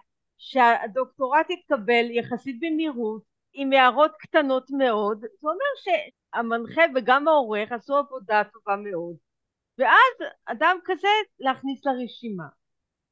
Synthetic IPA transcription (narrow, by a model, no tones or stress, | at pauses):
ʃeado̞kto̞ʁatit̚kabe̞ljaχasit̚bemiʁut | imeaʁo̞tktano̞tme̞o̞dzeome̞ʁʃe̞ | amanχebeɡamaoʁe̞χasuavo̞dato̞vame̞o̞d | veazadamkaze̞leaχnisleʁeʃima